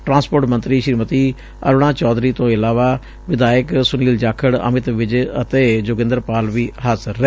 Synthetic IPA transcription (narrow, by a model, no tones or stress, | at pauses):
ʈɾãːnspoːɾʈmənt̪ɾiːʃɾiːmət̪iː | ə̰ɾɽ̃ãːt͡ʃɔːd̪ɾiːt̪õːɪlaːʋaː | ʋɪd̪aːjəksʊniːld͡ʒaːkʰəɽə̰mɪt̪ʋɪd͡ʒət̪eːd͡ʒʊɡɪ̃nd̪əɾpaːlʋiːɦasɾɛː